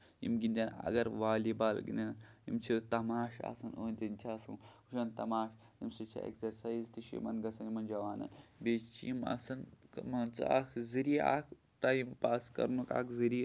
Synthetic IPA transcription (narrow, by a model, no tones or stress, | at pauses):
jḭmɡinʲd̪ʲɐnɐ̰ɡɐɾʋaːlibaːlɡḭnʲɐjḭmt͡ʃʰit̪ɐmaːʃa̰sɐnoːnt̪ʲinʲt͡ʃʲʰiaːsṵnuʃɐnt̪ɐmaːʃ | jimsɨt͡ʃʰḭḛkzɐɾsaːizt̪iʃḭmɐnɡɐsɐnimɐnd͡ʒɐʋaːnɐ̰nbeːt͡ʃt͡ʃʰijimɐ̰sɐnmɐnt͡sɨaːkʰziɾia̰ːkʰ | t̪aːjimpaːskɐ̰ɾnuka̰ːkʰziɾi